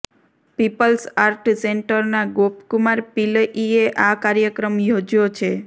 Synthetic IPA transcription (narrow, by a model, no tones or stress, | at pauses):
pipəlsaɾʈseɳʈəɾnaɡopkumaɾpiləʔieʔakaɾjəkɾəmjod͡ʒjot͡ʃʰe